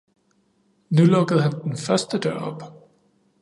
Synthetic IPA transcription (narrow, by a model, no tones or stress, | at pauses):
nulɔɡ̥əð̞̩ˠhænd̥enfɶɐsd̥əd̥ɶ̰ɐ̰ɒ̽b̥